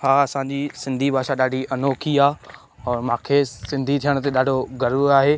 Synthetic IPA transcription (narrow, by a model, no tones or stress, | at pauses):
haːɐsãɲd͡ʑiːsɪ̃nd̪ʱibʱaːʃaɗaːɖʱiʔɐnoːkʰiaː | ɛ̃ːmãːkʰesɪ̃nd̪ʱit̪ʰijəɽ̃t̪eɗaːɖʱoɡɐɾuaːɦeː